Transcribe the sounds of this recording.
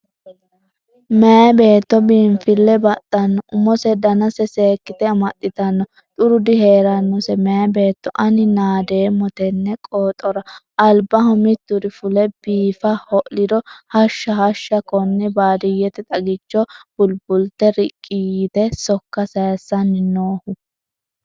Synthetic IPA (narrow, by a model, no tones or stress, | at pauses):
mɛɐbe̞ːt̪ːɔbiːmfɪlːɛbɐt̪ːɐnːɔʔʊmɔsɛd̪ɐnɐsɛse̞ːkːɪt̪ɛɐmɐɗɪt̪ɐnːɔ | t̪ʼʊɾʊd̪ɪɦe̞ːɾɐnːɔsɛmɛɐbe̞ːt̪ːɔ̰ʔɐnɪnaːd̪eːmɔt̪ɛnːɛkʼoːt̪ʼɔɾɐʔɐlbɐhʊmɪt̪ːʊɾɪfʊlɛb̥iːfɐhɔʔlɪd̪ɔhɐʃːɐhɐʃːɐkɔnːɛbaːd̪ɪjːɛt̪ɛt̪ʼɐɡɪt͡ʃːɔb̥ʊlbʊlt̪ːɛɾɪkʼːijt̪ɛsɔkːɐsɐjɐsɐnːɪnoːhʊ